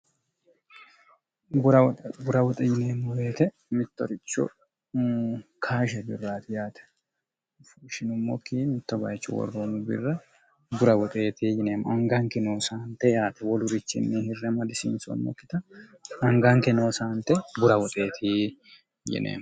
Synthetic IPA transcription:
ɡʊɾɐwɡʊɾɐwɔt̪ʼɛjɪneːmːɔwe̞ːt̪ɛ | mɪt̪ːɔɾɪt͡ʃːɔ̰ | kʰaːʃ̬ɛbɪrːaːt̪ɪjaːt̪ɛ̥ | fuʃɪnʊmːɔ̰kːimɪt̪ːɔbɐ̰jt͡ʃːɔ̰wɔ̰rːomʊbɪ̰rːɐ | ɡʊɾɐwɔt̪ʼeːt̪iːjɪneːmʊʔɐŋɡɐŋkɛnoːsaːnt̪ɛjaːt̪ɛwɔlʊɾɪt͡ʃːɪ̰nːɛhɪrːɛmɐd̪ɪsḭnsɔ̰mːɔ̰kːɪt̪ɐ | ɐŋɡɐŋkɛno̞ːsaːnt̪ɛɡʊɾɐwɔt̪ʼeːt̪ʰiː | jɪ̰nḛːm

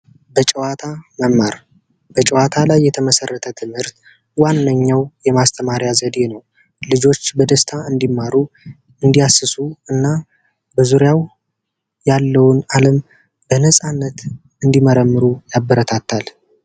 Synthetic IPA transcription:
bət͡ʃʼəwat̪ʰaməmːaɾ | b̥ət͡ʃʼɛwat̪ʰalajːɛt̪ʰəməsərːət̪ʰət̪ʰɨmhɨɾt̪ | wanːəɲːawjɛmast̪ʰəmaɾjazəd̪e̞nəw | lɨd͡ʒo̞t͡ʃːbəd̪əst̪ʰaɨnd̪imːaɾu | ɨnd̪ijasːɨsuɨnːa | bəzuɾjaw | jalːəwʊnaləm | bənəsʼanːət̪ | ɨnd̪iməɾəmːɨɾujabːəɾət̪ʰat̪ːal

